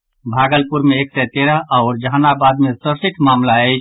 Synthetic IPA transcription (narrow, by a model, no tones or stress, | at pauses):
bʱaɡəlpuɾmeeːksɛt̪eɾaɦaʊɾd͡ʒɦanabad̪mesəɾsɪʈʰmamlaɛɪt͡ʃʰ